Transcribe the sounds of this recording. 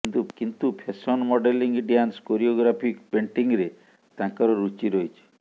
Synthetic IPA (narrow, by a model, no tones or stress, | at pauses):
kint̪ukint̪upʰesɔnmɔɖeliŋɡɖjanskoɾioɡɾapʰikpeɳʈiŋɾe | t̪ãkɔɾɔɾut͡ʃiɾɔjt͡ʃʰi̥